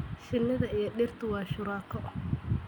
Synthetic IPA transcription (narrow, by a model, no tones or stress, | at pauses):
ʃɪnːɐðɐijɞɗɪrt̪ʰʊwɑːʃʊɾaːkʰɔʔ